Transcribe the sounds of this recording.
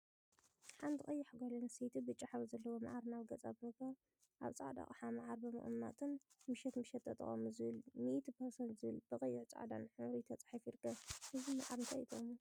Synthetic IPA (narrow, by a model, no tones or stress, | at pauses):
ħand̪ʰɨχʼɐjːaħɡʷalɐnsejt̪ʰibɨt͡ʃʼːaħaβizɐlːɐwoma̰ʕaɾnaβɡɐt͡sʼabɨmɨkːɐ | ʔa̰βt͡sʼa̰ʕd̪a̰χʼħamaʕaɾbɨmɨ̰χʼmna̰t̪ʰɨnmɨʃɛt̪mɨʃɛt̪ːʰɐt̪ʼɐ̰χʼɐ̰muzɨβɨlmiʔt̪ʰpʰɐɾsɐnt̪zɨβɨlbɨχʼɐjːɪʕt͡sʼa̰ʕa̰d̪a̰nħɨmɾit̪ʰɐt͡sʼḁħafiɾkɐɨzima̰ʕaɾɨnt̪ʰajʔit̪ʰomu